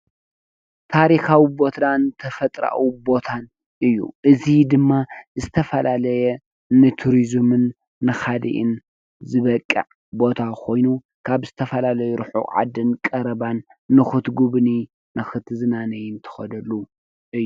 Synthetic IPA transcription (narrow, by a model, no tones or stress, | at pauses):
t̪ʰaɾixawibo̞t̪nant̪ʰɐfɐt̪ʼɾa̰ʔwibo̞t̪ʰan | ʔɨjːṵʔɨzid̪ɨmːazɨt̪ʰɐfɐlalɐjɛ | nɨt̪ʰuɾizmɨnː | ɨxad̪ḭʔɨ̰n | zɨβɐkʼːɐ̰ʕ | bo̞t̪ʰakʰo̞jnu | kʰaβzɨt̪ʰɐfɐlalɐjuɾɨħṵʕa̰d̪ɨnkʼɐɾɐbanː | ɨxɨt̪ɡuβni | nɨxɨt̪zɨnanɐjɪnt̪ʰɨ̥xɐd̪ɐlːu | ʔɨjːu